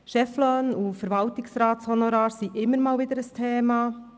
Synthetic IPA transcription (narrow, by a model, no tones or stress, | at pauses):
ʃɛflɔnufəɾvɑltɪksɾɑːtshɔnɔɾɑːɾsiʔɪmːəɾmɑːlvɪd̪əɾəstʰeːmɑː